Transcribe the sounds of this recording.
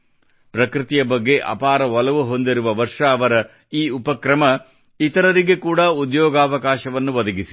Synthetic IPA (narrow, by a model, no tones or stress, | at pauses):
pɾɐkɾit̪ijɐbɐɡːe̞ʔɐ̰paːɾɐɦɔlɐʋuɦo̞nd̪iɾuʋɐʋɐɾʂɐːʋɐɾɐ | iːupɐkɾɐmɐ | it̪ɐɾɐɾiɡe̞kuːɽaud̪jɔːɡaːʋɐkaːʃɐʋɐnːuʋɐd̪ɐɡisi̥